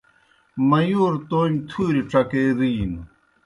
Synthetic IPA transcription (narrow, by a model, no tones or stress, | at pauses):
mɐjoːɾt̪oːɲt̪ʰuːɾiʈ͡ʂɐkeːɾiːn